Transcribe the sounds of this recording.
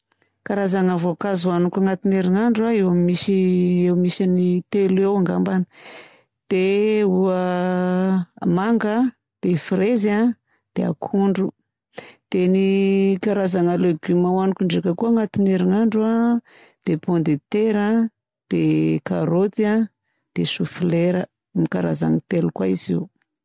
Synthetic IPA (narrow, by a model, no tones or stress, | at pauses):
kaɾazaŋavokazuanukaŋat̪ineɾinaɳɖ͡ʐuaewamisiewmisanit̪elewaŋɡambanə | d̪̥euə | maŋɡə | d̪̥efɾeza | d̪̥ea̰kʰuɳɖ͡ʐu | d̪̥enikaɾazaŋaleɡimawanukuɳɖ͡ʐekəkuaŋat̪ineɾiŋaɳɖ͡ʐua | d̪̥epond̪et̪eɾa | d̪̥ekaɾot̪ia | d̪̥esufleɾə | mikaɾaza̰ŋit̪elukwaizḛw